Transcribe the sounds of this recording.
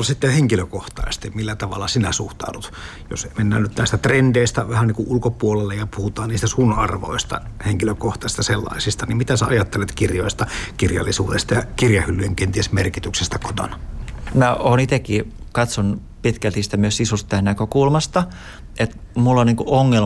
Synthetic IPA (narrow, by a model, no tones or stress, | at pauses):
olsit̪ːeheŋkiløkoht̪ɑ̰ist̪imilːæt̪ɑʋɑlːɑsinæsuht̪ɑ̰udut̪ | jo̰semenːæ̰ːnyt̪næˑist̪æt̪rendeist̪æʋæhæniːŋkuʔʔulkopuolelːejɑpuhut̪ɑːniːst̪æsuːnːɑrʋo̰ist̪ɑ̰heŋkiløkoht̪ˑɑst̪ɑselːɑ̰ˑisist̪ɑnimmit̪æsæɑjɑt̪ːelet̪kirjoist̪ɑkirjɑ̰lːisṵːt̪est̪ɑjɑkirjɑhylːyjeŋkent̪iesmerkit̪yksest̪æko̥t̪o̰nɑæoːnit̪ekːiː | kɑt̪son | pit̪kælt̪ist̪æmyøsisust̪ænækøkulmɑst̪ɑ | et̪ | mulːoniːŋkuʔoŋːel